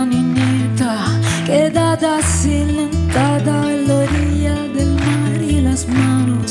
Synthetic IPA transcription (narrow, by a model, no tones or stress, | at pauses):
niɲet̪aked̪ad̪asint̪ad̪aloɾiad̪elmaɾilazmanu